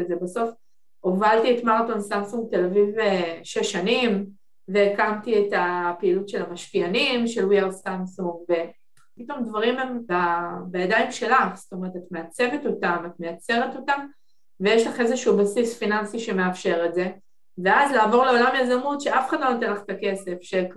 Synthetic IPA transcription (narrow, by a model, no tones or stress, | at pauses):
ezebaso̞f | ovaltietmaʁtonsamsuŋɡ̚telaviveʃeʃanim | ve̞ːkamtietapeiːlutʃe̞lamaʃkianimʃe̞lwiaʁsamsuŋɡve̞ | pito̞mdvaʁimembabajadaimʃe̞laχsto̞me̞ʁetatme̞at͡se̞veto̞tamatmeat͡se̞ʁeto̞tam | vejeʃlaχezeʃuubasisfinansiʃe̞me̞afʃe̞ʁetze̞ | veazlaːvo̞ʁle̞o̞lamjazamutʃeʔafeχad̪lo̞nat̪̬enlaχtake̞se̞fʃe